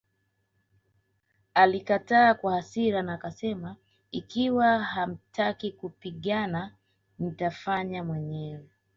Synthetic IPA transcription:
alikataːkwahasiɾanaːkasɛma | ikiwaham̩tʰakikupiɠana | n̩tafaɲamwɛɲɛwɛ

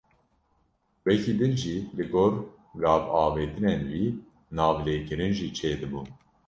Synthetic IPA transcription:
wɛciːd̪ɨnʒiːlɨɡoːɾ | ɡɑːvɑːveːt̪ɨnenwiː | nɑːvleːkɨɾɨnʒiːt͡ʃʰeːd̪ɨbun

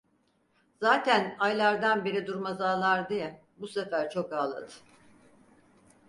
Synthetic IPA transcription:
zaːt̪ʰænajlʲˠaɾd̪anbeɾid̪uɾmazaːlˠaɾd̪ɯjɛ | busefæɾt͡ʃʰo̞kaːlˠa̰d̪ɯ̥

